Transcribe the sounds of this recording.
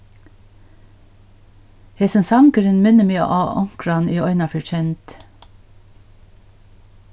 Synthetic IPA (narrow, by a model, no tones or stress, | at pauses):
hesənsɑŋkəɾənmenəmḭːʔɑːʔɔ̰ŋkɹɑniːɔʏnɑfœt͡ʃɛnt̪